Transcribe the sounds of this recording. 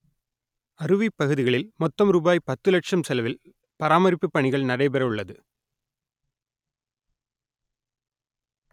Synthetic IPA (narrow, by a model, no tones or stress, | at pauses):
ɐɾɯʋipːɐɣɯðɪɣɐɭɪlmɔt̪ːɐmɾuːbaːjpɐt̪ːɯlɐʈʂɐmsɛlɐʋɪl | pɐɾaːmɐɾɪpːɯpːɐɳɪɣɐɭnɐɽɐɪpɛɾɐɯɭːɐðɯ